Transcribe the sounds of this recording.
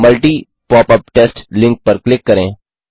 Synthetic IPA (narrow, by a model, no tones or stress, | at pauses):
məlʈiː | pɔːpəp̚ʈɛːsʈlɪ̃ŋk̚pəɾklɪkːɐɾẽː